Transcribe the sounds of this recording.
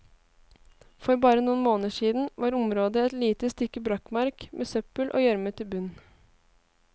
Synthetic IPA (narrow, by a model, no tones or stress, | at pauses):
fɔɾbɑːɾənuːnmoːnəʂiːd̪n̩ʋɑːɾʊmɾoːd̪əɛt̪liːt̪əst̪ʏkːəbɾɑkmɑɾkmʔeːsœpəlʔo̰ːjœɾmət̪ʰɪlbʉn